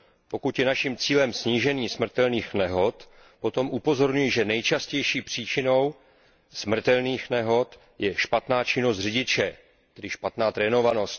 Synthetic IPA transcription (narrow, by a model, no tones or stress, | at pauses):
po̞kut̪jɛnaʃimt͡siːlɛmsɲiːʒɛniːsmr̩t̪ɛlniːxnɛɦo̞t̪ | po̞t̪o̞mʔupo̞zo̞ɾɲujiʒɛnɛjt͡ʃascɛjʃiːpr̥iːt͡ʃɪno̞w | smr̩t̪ɛlniːxnɛɦo̞t̪ | jɛʃpat̪naːt͡ʃɪno̞st̪r̝ɪɟɪt͡ʃɛ | t̪ɛdɪʃpat̪naːt̪ɾɛːno̞vano̞st̪